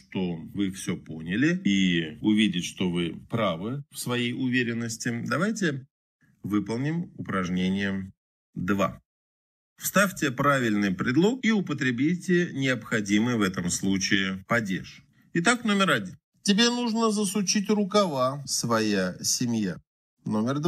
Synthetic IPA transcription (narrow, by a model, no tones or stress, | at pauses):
ʂt̪ovɨfsʲɵpo̞̰nʲɪlʲɪiʊvʲidʲɪtʲʂt̪o̞vɨpɾavɨfsvɐjejʊvʲeɾʲɪnːəsʲtʲɪd̪ɐvajtʲɪ | vɨpəlˠnʲɪmʊpɾɐʐnʲenʲɪjə | d̪va̰ | fst̪afʲtʲɪpɾavʲɪlʲnɨjpɾʲɪd̪lˠo̞kiʊpət̪ɾʲɪbʲijtʲɪnʲɪɐpxɐdʲimɨjvɛt̪əmslˠut͡ɕɪɪpɐdʲḛʂ | ɪt̪akno̞mʲɪɾɐdʲin | tʲɪbʲenuʐnəzəsʊt͡ɕitʲrʊkɐvasvɐjasʲɪmja | no̞mʲɪrd̪